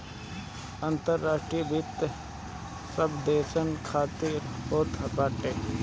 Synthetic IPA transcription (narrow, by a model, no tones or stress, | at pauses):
ənt̪əɾːaːʃʈɾijbʱɪt̪ | səbd̪eːsənkʰaːt̪iɾpoːt̪ɦɐkaːʈeː